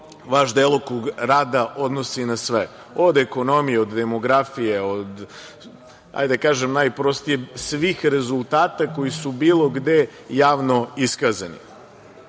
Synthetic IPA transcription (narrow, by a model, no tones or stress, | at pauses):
ʋaʃd̪elˠokoɡɾaːd̪aʔod̪nosinasʋe | od̪eko̞no̞mijeod̪d̪emo̞ɡɾafijeod̪ | a̰jd̪akaːʒemnajpɾost̪ijesʋixɾe̞zulˠt̪aːt̪ako̞jisubiːlˠo̞ɡd̪e̞jaːʋno̞iskazanḭ